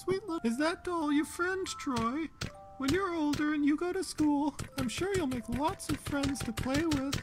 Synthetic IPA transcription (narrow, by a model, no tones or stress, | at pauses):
switˡlə̃ɨzðɨt̚d̥ɔlˠjə˞fɹɛ̃ndtʰɹ̥ɔɪ | wɨ̃njə˞oʊlˠdə˞ɨ̃njɨɡoʊɾɨskulˠãɪ̃mʃʊɹjulˠmeɪklɔtsʌv̥fɹɛ̃ndz̥tʰɨpʰl̥eɪwɪð̥